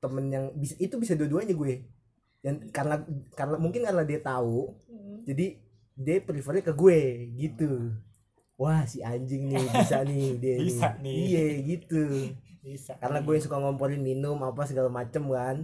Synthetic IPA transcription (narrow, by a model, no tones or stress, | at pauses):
t̪əmənjaŋbisaʔit̪ubisaduaduaɲaɡuɛ | jaŋkarənakarənamuŋkɪnkaɾənadiat̪aud͡ʒadi | diapəɾifəɾɛkəɡueɡit̪u | wahsiaɲd͡ʒɪŋnɪhbisanɪhdieaijeɡit̪u | kaɾənaɡuejaŋs̬ukaŋompoɾɪnminʊmapas̬əɡalamat͡ʃəmkan